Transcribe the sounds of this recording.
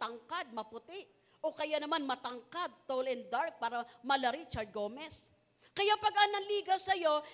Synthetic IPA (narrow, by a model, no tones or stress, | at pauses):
t̪ɐŋkad̪̚mɐpʊt̪ɪʔ | ʔo̞kɐjanɐmanmɐt̪ɐŋkad̪̚t̪owlɛnd̪aɹk̚paːɾɐmɐlɐɾit͡ʃɐɹd̪̚ɡo̞ːmɛs | kɐjapɐɡɐnɐŋliːɡɐwsɐjo̞